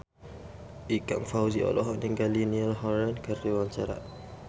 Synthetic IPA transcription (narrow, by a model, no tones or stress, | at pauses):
ʔika̰ŋfawziɔ̰lɔɦɔʔ̚niŋɡalinialɦɔɾɛnkəriwaɲt͡ʃaɾa̰